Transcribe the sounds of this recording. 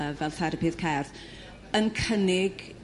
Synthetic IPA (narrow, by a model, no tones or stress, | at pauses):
əvɛlˠtʰɛɾəpʰɨð̥kʰɛrð | ənkʰənɪɡ